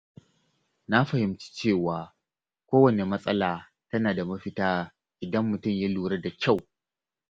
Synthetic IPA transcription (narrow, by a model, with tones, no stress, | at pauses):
na˦ɸɐ˨hɪ˨mt͡ʃi̥˦t͡ʃeː˦˨waː˨ | kʷoː˦wɐ˨ne˨mɐ˦sʼɐ˦laː˨ | tɐ˦naː˨da˨mɐ˦ɸɪ˦taː˦ | ʔɪ˨dɐ˦mːʊ˨tʊ˦˨mja˦luː˨ɾɐ˦da˨kʲa˦˨w